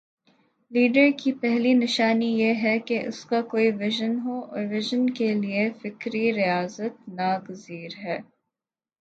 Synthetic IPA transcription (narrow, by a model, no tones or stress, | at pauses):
liːɖəɾkipɛɦlinɪʃaːnijeːɦɛkeʔʊ̰skakoːiʋɪʒənɦoʔɔ̰ːɾʋɪʒənkeliefɪkɾiɾɪaːzət̪̚naɡɐziːɾɦɛː